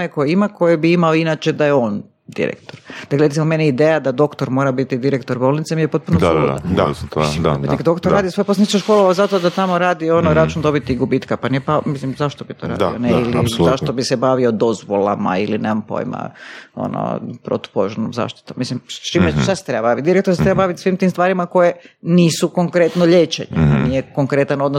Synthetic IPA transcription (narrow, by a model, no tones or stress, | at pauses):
onekojeimako̞jebiimaoinat͡ʃed̪ajeon | d̪ḭɾḛkt̪oɾd̪̥akleet̪simomeniid̪ejad̪ad̪o̞kt̪oɾmo̞ːɾabit̪id̪iɾekt̪oɾbolnit̪semijepo̞t̪̚punolaad̪ait̪ikad̪o̞kt̪oɾɾaːd̪ijoso̞jeposanit͡ʃ̪oʃkoːlˠoʋazat̪od̪at̪amo̞ɾaːd̪ionoɾat͡ʃund̪o̞bit̪iɡubit̪kapaniepamislimzaʃt̪obit̪ʰo̰ɾa̰ːd̪ioneilizaʃt̪obisebaʋio̞d̪o̞zʋolˠa̰ma̰ilinemampo̰jma̰o̰no̰pɾo̰t̪u̥poʒuɾno̰mza̰ːʃt̪i̥t̪omːislimst͡ʃimesase̥t̪ɾebabaʋit̪d̪iɾekt̪oset̪ɾebabaʋit̪sʋiːmt̪iːmst̪ʋaːɾimako̞jeniːsukoŋkɾet̪noʎeːt͡ʃḛɲḛa̰nijekoŋkɾet̪ano̞d̪nos